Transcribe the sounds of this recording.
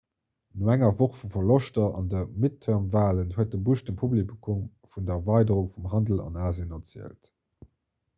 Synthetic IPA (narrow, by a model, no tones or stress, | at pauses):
noæŋɐvoχfufɐloʃtɐɑ̰ndəmitʰəɐmvaːlənhuət̚dəbuəʃdəmpʰublikʰum | fundɐɐvɑɪdəʁuŋfumɦɑndəl̩ɑ̰naːziənɐt͡siəlt